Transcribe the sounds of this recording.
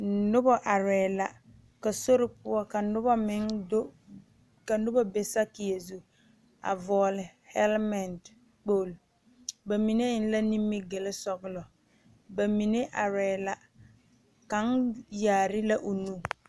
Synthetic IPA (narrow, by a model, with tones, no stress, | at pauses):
nʊ˦bɔ˦ʔa˨ɾɛː˨la˨ | ka˨so˦ɾɪ˦pʊ˦ɔ˦ka˨nʊ˦bɔ˦mɪ˨˦ŋdo˦ | ka˨nʊ˦bɔ˦be˨sa˦kɪ˨je˨zu˨ | a̰˨vɔː˨lɪ˨hɛ˦lma˨nd | k͡poː˦˨l | ba˨mi˨ne˦ɪ˦n˦la˦ni˦mːɪ˦ɡe˨lɪ˦sɔ˨ɡɪ˨lɔ˨ | ba˨mi˨ne˦ʔa˨ɾɛː˨la˨ | ka˨˦ŋjaː˨ɾɪ˦la˦ʔo˨nũ˦